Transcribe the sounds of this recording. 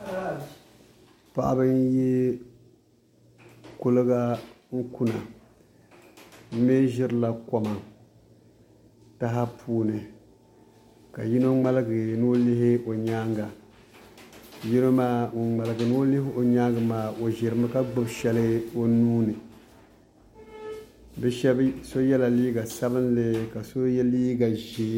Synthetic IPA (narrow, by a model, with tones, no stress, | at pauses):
pa̰˦˨ʔa̰˦bɨ˦n˦je˦ | kʊ˦lɨ˦ɡa˦ | ŋ̩˦ku˦na˨ | m̩˦me˦ʒɪ˦ɾɨ˦˨la˨ko˨ma˨ | ta˦ɦa˦pʰuː˦nɨ˨ | ka˨ji˦no˦ŋ͡ma˦lɨ˦ɡɨ˨nɨ˦lɪ˦hɪ˦o˨ɲaː˦ŋɡa˨ | ji˦no˦maː˦ŋ̩˨ŋ͡ma˨lɨ˨ɡɨ˨nɨ˦o˦lɪ˦hɪ˦o˨ɲaː˦ŋɡɨ˨maː˨o˨ʒɪ˨ɾɨ˨ma˦ka˦ɡ͡bɨ˦bʃɛ˦lɨ˦o˦nuː˦nɨ˨ | bɛ˦ʃɛ˦bso˦jɛ˦la˨liː˦ɡa˨sa˦bɨ˦nlɨ˦ka˨so˦jɛ˦liː˦ɡa˨ʒeː˨˦